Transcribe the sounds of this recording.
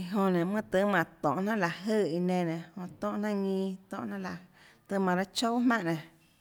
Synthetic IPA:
i˧ɦõ˧nẽ˨mɨ̃˦t̪ɨ˧˦mã˨t̪ɔ̰̃˨ʔnã˦˨la˨ʔɦə˦˨i˧nẽ˧nẽ˨hõ˧t̪ɔ̃˦ʔnã˦ŋĩː˧t̪ɔ̰̃˧˨ʔnã˦la˨ | t̪ɨ˧mã˨ɾa˦t͡ʃo˦mã˦˨ʔnẽ˨

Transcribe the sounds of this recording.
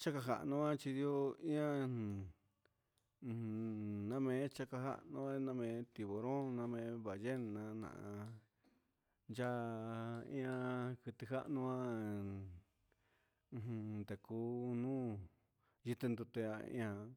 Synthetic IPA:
t͡ʃa˦ka˧ɦa̰˧ʔnũ˧˦ã˦t͡ʃi˧ðjo˦ĩ˦ã˦˨˧ | nã˦mẽ˧˦t͡ʃa˦ka˧ɦa̰˦ʔnõ˧˦nã˦mẽ˨˧˦t̪i˨βo˨ɾõ˦nã˧mẽ˧˦βa˨je˦n˨nã˧nã̰˨ʔ | nd͡ʒa˦ | ḭ̃˦ã˧kɨ˧t̪i˧ɦa̰˦ʔnũ˧ã˦˧ | ɦũ˧nd̪e˨kuː˧˦nũ˦ | ji˧t̪e˧nd̪u˧t̪e˧a˧ḭ̃˦ã˧

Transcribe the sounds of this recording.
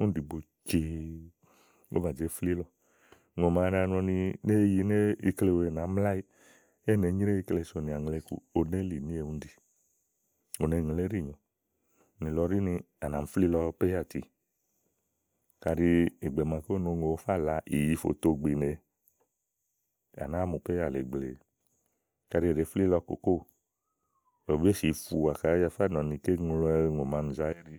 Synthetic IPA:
u˦di˨bo˧ | t͡ʃe˧ | ŋo̰˦ba˨d͡ʒe˨˦fli˦lɔ˧ | ŋo˨ma˨˧˦ɾa˧ñɔ˧ni˧ne˦˧ji˧˦ne˦i˧kle˧we˧e˨na˨˦m˦la˦i˦ | e˦˨ne˨˦ɲi˦ɾe˦i˧kle˧˨so˧˨nĩ˧˨a˨ŋ˨le˧kṵ˧o˧ne˦li˨nĩ˦e˧˨ũ˦n˦di˨ | o˨ne˨˧ŋe˧le˦ɾi˦˨ɲɔ̃˨ | nĩ˨lɔ˧˦ɾi˦ni˧ | a˨na˨m̩˦fli˦lɔ˧pe˦a˦˨tḭ˨ | ka˧ɾi˧e˨ɡ͡bɛ˨mã˧ko˦no˧ŋo˧˨˧fa˦˨la˧i˨ji˧˦fo̰˨to˧ɡ͡bi˨ne˧ | a̰˨na˨˦mũ˨pe˦a˦˨lɛ̰˨ɡ͡ble˨ | ka˧ɾi˧e˨e˨˦fli˦lɔ˧ko̰˨ko˦˨ | o˨be˦ʃi˨˦fu˧a˨ka˨˦ja˧fa˦˨nɔ̃˨nĩ˧ke˦ŋũ˧ɾŋo˨mã˨˧n̩˨za˧˦e˦ɾi˧

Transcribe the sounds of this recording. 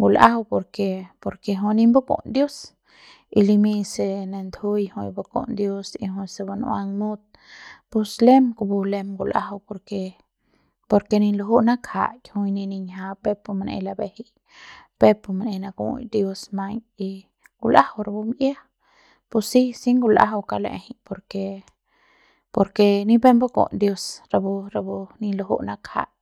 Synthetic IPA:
ɡu˧la̰˦hwpo˧ɾke˧po˧ɾke˧ɦo˧ni˧mbo˦ko̰˨nd̪jo˦s | i˧li˧mi˦˧se˧ne˧nd̪hu˦jho˧jbo˧ko̰˨nd̪jo˦sḭ˧ɦõ˧se˧ba˧nṵ˧a˧ŋmu˦t̪̚ | pu˧sle˦mko˧bu˧le˧mɡu˧lʔa̰˦hwpo˧ɾke˧ | po˧ɾke˧ni˧nlo˧ɦu˦ʔna˦kʰa̰˨jʲho˧jni˧ni˧ɲɦa˧pe˦po˧m˧nḛ˧jla˧be˧hi | pe˦po˧m˧ne˧jna˧ɡṵ˧d̪jo˧sma˧ji˧ | ɡ̥u˧la˦hawɾa˧bu˧mʔja˦h | pu˧si˦si˦ŋɡu˧la̰˦ɦa˧wka˧lḛ˧hi˦po˧ɾke˧ | po˧ɾke˧ni˧be˦mbo˦ɡo̰˨nd̪jo˧sɾa˧bu˧ɾa˧bu˧ni˧nlo˧ɦṵ˦na˦kha̰˧˨

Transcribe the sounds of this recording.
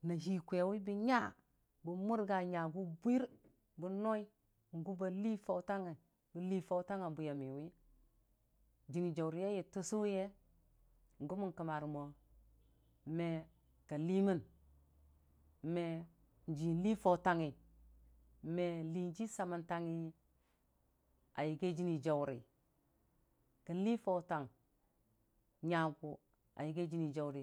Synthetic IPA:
na˨ɦi˨kʷe˨wi˦bi˦ɲa˦ | bu˨mu˦ɾɡa˨ɲa˨ɡu˦bʷi˦ɾ | bu˦no˦i˦ | ŋ˨ɡu˦ba˨li˦fo˨wta˦ŋi˨ | bi˨li˦fo˦wta˦ŋa˨bu˨ja˨mi˨wi˦ | d͡ʒi˨ŋi˨d͡ʒa˨wɾje˦ji˨tu˦su˦je˦ | ŋ̩˨ɡu˦mu˦nkə˨ma˨ɾmo˨ | me˨ | ka˨li˦mi˦n˦ | me˨ | n˦d͡ʒi˨˦li˦fo˨ta˨ŋi˨˦ | me˨li˨n˦d͡ʒi˦sa˨ma˨nta˦ŋi˦ | a˨ji˨ɡe˦d͡ʒi˦ni˨d͡ʒa˨wɾi˨ | kə˨˦li˦fo˨˦ta˨ŋ | ɲa˨ɡu˨ | a̰˨ji˨ɡe˦d͡ʒi˦ni˨d͡ʒa˨wɾi˨

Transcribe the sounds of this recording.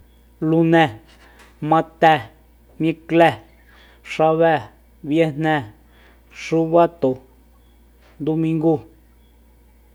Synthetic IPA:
lu˧nɛ̃˧ | mã˧t̪ɛ˧ | mĩ˧klɛ˧˨ | ʂa˧βɛ˦˨ | βje˦n̥nɛ̃˧ | ʂu˦βa˦t̪o˨ | nd̪u˧mĩ˧ŋɡu˦

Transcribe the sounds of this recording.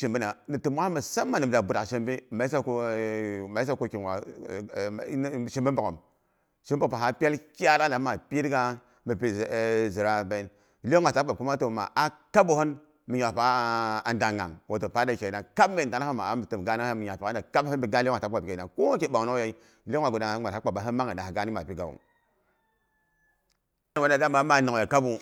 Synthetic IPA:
ʃi˨mbi˦na˨ni˨ti˨m˦wa˦a˦mə˨sa˦mːa˨ni˨m˨da˨bu˨da˨ʃe˦mbi˦ma˨˦i˦sa˦ko˦ | ma˨˦i˦sa˦ko˦ki˨n˨wa̰˨˦˨ | ʃi˦mbi˦mbu˨ko̰˨m | ʃi˦m˦bo˦ka˨a˨pʲe˦lkʲa˦ɾa˦nda˨˦ma˨pi˦dka˦ | mi˨pi˨zi˨ɾa˦be˨˦n | li˦o˦ŋ˦a˨ta˦a˨ko˦ma˦to˨ma̰˨ʔa˨ka˦bo˦ho˦n | mi˨ɲa˨pa˨nda˨ŋa̰˨ŋwo˨to˨pa˨˦da˨t͡ʃe˨na˨ka˦bme˨a˨n˦ho˦ma̰˨a˦mi˨tə˨m˨ɡa˦ni˦mi˨ɲa˨pi˨ka˦da˨ka˦bhə˦bi˦ɡa˦lŋa˨ta˦a˨bke˨a˨ko˦ma˦ke˦ɓa˨no˦ja˦i˦˨ | li˦o˦a˨ɡda˨ŋa˨˦a˨a˨˦k͡pa˨ba˨ɦə˦ma˦ŋa˨na˨a˨ɡa˦ni˦ma˨pi˦ɡa̰˨wṵ˨˦˨ | wa˨˦a˨ɡa˦ma˨˦ma˨no˨a˨ka˦bu˦

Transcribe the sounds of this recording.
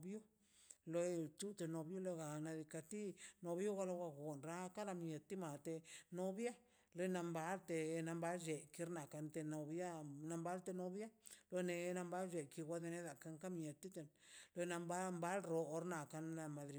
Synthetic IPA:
bju˦ | lo˧t͡ʃu˦t̪e˧no˧bju˦lo˧ɡa˨na˧d̪i˧ka˧t̪i˦no˧bju˦ɣa˧lo˧wa˧ɡo˨nɾa˧ka˦ɾa˧mje˨t̪ːi˦ma˨t̪e˧no˧bja˦ | lo˦na˧mba˧˦lt̪e˧na˧mba˧˦ld͡ʒe˨ki˧ɾna˨ka˧nt̪e˧no˧bja˦na˧mba˦lt̪e˧no˧bja˦lo˧ne˧˦na˧mba˦ld͡ʒe˧˨ki˧wʷa˧d̪e˧ne˦d̪a˨ka˧ŋka˦mje˨t̪ːi˦t̪e˧nlo˧na˧mba˦mba˦lɾo˧ɾna˨ka˧na˧ma˧d̪ɾi˧

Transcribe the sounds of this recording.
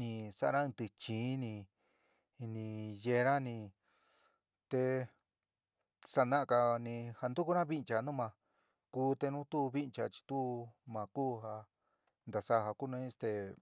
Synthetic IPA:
nĩ˧sa̰˧˦˧ã˦˧t̪ɨ˧t͡ʃĩː˨˧˦nĩ˧ | nĩ˧je˧ɾã˦nĩ˧ | t̪e˧ | sa˧˨nã˦˧ka˧nĩ˧ha˧nd̪u˦ku˦ɾã˦βi˦nt͡ʃa˧˨˧nũ˦mã˧ | kuː˦t̪e˧nũ˦t̪u˦˧βi˦nt͡ʃa˧t͡ʃi̥˧t̪u˦mã˧kuː˦ɦa˧ | nd̪a˨sa˦˧ha˧ku˦nũ˧˦˧st̪e˧

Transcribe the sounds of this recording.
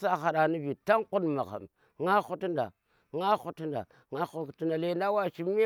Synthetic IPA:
sa˦xa˨ɗa˨ni˦vi˨ta˦ŋku˦nma̰˨ɣa̰˨m | ŋa˦xu˦tnda̰˨ | ŋa˦xu˦tnda̰˨ | ŋa˦xu˦˨tna˨le˦nda˦wa˦ʃi˦m˦

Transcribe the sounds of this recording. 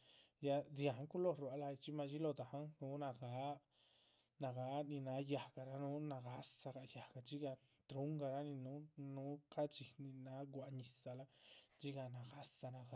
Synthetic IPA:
ja˧zi˧a˨ã˦ku˦lo˦˨ɾwa˨˧la˧t͡ʃi˦mã˧t͡ʃi˦lo˧t̪a˨hã˦nũː˨˦nã˧ɡa˨˦ | nã˧˨ɣa˨˦nĩ˧nã˨˦ja˨ɡa˨ɾa˦nũ˦nã˧ɣa˦sa˧ɣa˨ja˨ɡa˧˨t͡ʃi˦ɣa˧t̪ɾu˦ŋɡa˧ɾa˦nĩ˧nũ˨˦nũː˨˦ka˦t͡ʃi˧nĩ˧nã˨˦ɡʷa˧ʔɲĩ˧sa˧la˦t͡ʃi˦ɣa˧nã˨ɣa˦sa˧nã˧ɣa˧

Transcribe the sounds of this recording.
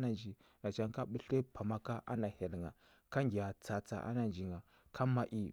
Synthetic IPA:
na˨nd͡ʒi˨ | na˨t͡ʃa˦ŋka˦ɓə˦ɬe˦pʰa˨ma˦ka˦ʔa̰˦na˨he˨lŋa˨ | ka˦ŋɡi˨ja˨t͡sa˨t͡sa̰˨ʔa̰˦na˨nd͡ʒi˨ŋɡa˨ | kʰa˦ma˦ʔi˦

